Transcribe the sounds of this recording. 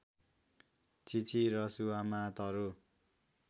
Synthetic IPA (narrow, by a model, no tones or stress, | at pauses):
t͡sit͡sʰiɾʌsuwamat̪ʌɾu